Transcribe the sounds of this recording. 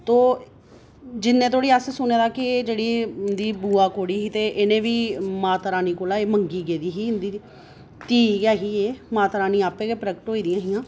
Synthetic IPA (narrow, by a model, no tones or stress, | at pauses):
t̪oː | d͡ʒɪnːẽːt̪ʰoːɽiːaːsesʊnẽːd̪aːkɪd͡ʒeːɽiːd̪iːbuːaːkoːɽiːɦiːt̪eːʔɪnẽːʋiːmaːt̪ɾaːniːkoːlaːeːməŋɡiːɡeːd̪iːɦiːɦɪnd̪iː | t̪iːɡaːɦiːeːmaːt̪ɾaːnĩːaːpeːɡeːpɾəkʈɦoːiːd̪ijãːɦɪjãː